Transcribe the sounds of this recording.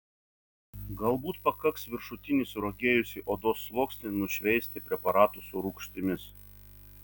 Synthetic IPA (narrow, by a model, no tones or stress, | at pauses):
ɡɐlˠbuːt̪pɐkɐksʋʲɪɾʃʊt̪ʲɪnʲɪsʊɾoɡʲeːjʊsʲiʔoːd̪oːsːlˠoːksʲnʲɪnʊʃʲʋʲɛɪsʲt̪ʲɪpʲɾʲɛpɐɾɑːt̪usʊɾʊkʃʲt̪ʲɪmʲɪs